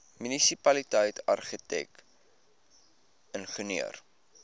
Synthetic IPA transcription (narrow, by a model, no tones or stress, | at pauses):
mynisipɐlitəjtɐ̰rχitɛ̰k | ənχəniə̰r